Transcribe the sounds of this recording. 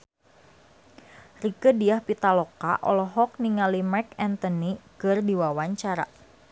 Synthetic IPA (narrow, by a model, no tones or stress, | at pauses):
rikədiahpit̪alɔka̰ʔɔ̰lɔɦɔk̚niŋalimɛkɛnt̪ɔnikɨrdiwawaɲt͡ʃaɾa̰